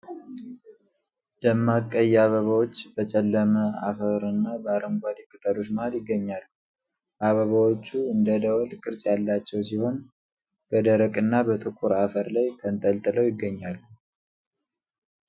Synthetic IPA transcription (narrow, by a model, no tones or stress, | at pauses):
d̪əmːakʼːəjːaβəβawo̞t͡ʃːbət͡ʃʼɛlːəməa̰fəɾɨnːabəaɾəŋɡʷad̪ikʼɨt̪ʼəlo̞t͡ʃːmahljɪɡːəɲːalːu | ʔaβəβawot͡ʃːuɨnd̪əd̪əwɔlkʼɨɾt͡ʃʼjalːat͡ʃːɛwsiho̞n | b̥əd̪əɾəkʼɨnːabət̪ʼɨkʼuɾafəɾlajt̪ʰənt̪ʼəlt̪ʼɨləwjɪɡːəɲːalːu